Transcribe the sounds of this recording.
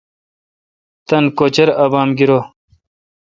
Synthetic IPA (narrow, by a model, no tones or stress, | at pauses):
t̪ɐnkoːt͡ɕɐɾɐbaːmɡiɾoː